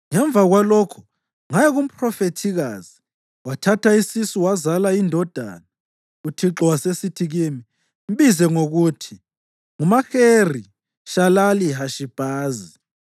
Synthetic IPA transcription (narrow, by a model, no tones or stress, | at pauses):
ŋɛɱb̪vʱaɣwalɔkʰɔ̥ | ŋajɛɣum̩pʰʼrɔfetʰiɣaːzi | watʰatʰaisisuwazalaindʱɔd̥ʱa̰ːna | utʰiǁɔwasesitʰiɣimi | m̩βizɛŋoɣutʰi | ŋumaxeri | ʃalaliɦaʃib̥ʱaːzi